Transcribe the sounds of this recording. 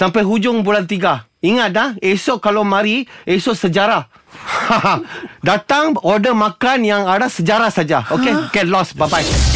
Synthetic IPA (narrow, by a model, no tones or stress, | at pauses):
sampajɦud͡ʒʊŋbulant̪̬iɡa | iŋat̪̚lahesɔʔ̚kalawmãɾiesɔʔsəd͡ʒaɾa | hadat̪aŋɔdəmãkanjaŋadasəd͡ʒaɾasad͡ʒaokeɡɛt̪̚lɔsbabaj